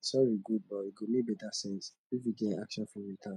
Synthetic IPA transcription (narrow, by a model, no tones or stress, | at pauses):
sɔɹiɡud̚bɔiɡonibɛdasɛ̃s | ifiɡɛakʃɔ̃nfɔɹitʰa